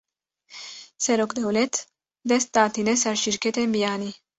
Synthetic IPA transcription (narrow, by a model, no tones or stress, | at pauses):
sɛɾokd̪ewlɛt̪ | d̪ɛst̪aːt̪inesaɾʃiɾket̪embijaːni